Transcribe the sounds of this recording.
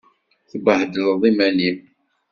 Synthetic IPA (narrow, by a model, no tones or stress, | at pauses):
θbəhd̪əlðˤimænim